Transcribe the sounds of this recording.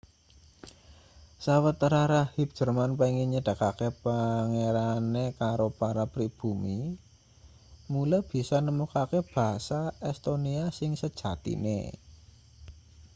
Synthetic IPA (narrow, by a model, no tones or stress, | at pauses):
sawət̪ɾaɾahib̚dʒ̥ə̤rmanpaiŋiɲəɖ̥ä̤kakepaŋeɾanekaɾopaɾapɾib̥ṳmi | mulab̥i̤sanəmukakeb̥a̤ɦsaɛst̪oniasɪŋsəd̥ʒ̥a̤t̪ḭnḛ